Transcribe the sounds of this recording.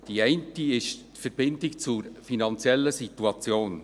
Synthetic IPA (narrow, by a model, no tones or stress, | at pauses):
d̥iɛɪntiɪʃtfəɾb̥ɪndɪkt͡suɾfinɑnt͡sjɛlːəsituɑt͡sjoːn